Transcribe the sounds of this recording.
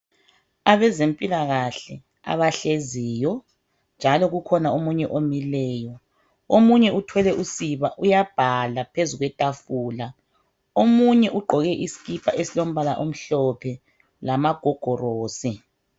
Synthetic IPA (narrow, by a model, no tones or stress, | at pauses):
aβɛzempʼilaɣaɬɛ | a̰βaɬeziːjɔ | nd͡ʒʱalɔɣukʰɔnaomuɲɛʔomilɛːjɔ | omuɲɛutʰwɛlɛʔusiβaʔujab̥ʱalapʰezuɣwɛtʼafuːla | omuɲɛʔuɡ͡ǃʱɔɣɛʔisi̥ɣipʰaʔesilom̩βalaʔom̩ɬɔpʰɛ | lamaɡ̥ʱɔɡ̥ʱɔroːsi